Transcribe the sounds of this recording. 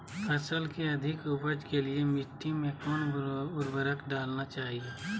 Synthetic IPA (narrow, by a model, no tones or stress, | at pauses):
ɐsəlkeɐd̪ʱɪkʊbəd͡ʒkeliemɪʈːimẽkɔːnʊɾbəɾəkɖaːlnat͡ʃaːɦieː